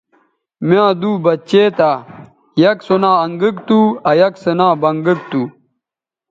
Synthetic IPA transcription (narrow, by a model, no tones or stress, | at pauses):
mjãːd̪uːbɐt͡ɕeːt̪aː | jɐksonãːɐŋɡikt̪uɐjɐksɐnãːbɐŋɡikt̪uː